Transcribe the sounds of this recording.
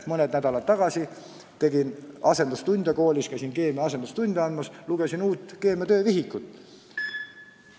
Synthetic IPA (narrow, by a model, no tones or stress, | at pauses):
mɤned̪næd̪̥ɑlɑt̪ːɑɡ̥ɑsi | t̪e̞ɡinɑse̞nd̪ust̪unʲd̪jɑko̞ːlʲiskæjsinke̞ːmɑɑs̬end̪ust̪unʲd̥̪ʲɑɑnmɑsluɡ̥e̞sinuːt̪ːˑke̞ːmɑt̪ø̞ːviɦikˑːut̪ːˑ